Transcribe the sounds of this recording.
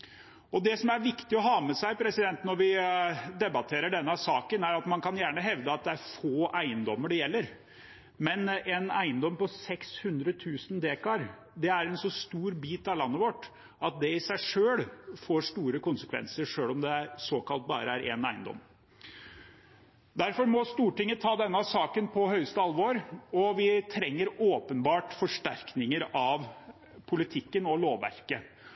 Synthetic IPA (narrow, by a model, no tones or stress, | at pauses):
ɔd̪ɛsɔmæɾʋɪkt̪ɪɔɦɑːmɛsæɪpʰɾɛsɪd̪ɛnt̪nɔɾʋɪd̪ɛbɑt̪ʰeːɾəɖɛnːəsɑːkənæɾɑt̪mɑnkɑnjæːɳəɦɛʋd̪əɑt̪̚d̪ɛæɾfoːʔæɪənd̪ɔmːəɖɛjɛlːəɾ | mɛnɛnæɪənd̪ɔmpɔsɛkshʉnd̪ɾət̪ʰʉːsən̩d̪eːkɑɾ | d̪ɛæɾɛnsɔst̪uːɾbiːt̪ɑlɑnːəʋɔʈː | ɑt̪̚d̪ɛɪsæɪʂøːɽfoːʂt̪uːɾəkʊnsəkʰʋɛ̰nsəʂøːlɔmd̪ɛɾsoːkɑlt̪̚bɑ̰ːɾəæɾʔḛːnæɪənd̪ɔ̰mː | d̪æɾfɔɾmɔst̪uːʈɪŋːət̪ʰɑːd̪ɛnːəɑsɑːkənpʰɔhœʏst̪əɑlʋoːɾɔʋɪt̪ʰɾɛŋːəɾoːpənbɑːʈfɔʂʈæ̰ɾknɪŋəɾɑʋ | pʰʊlɪt̪ʰɪkːənɔloːʋːæ̰ɾkə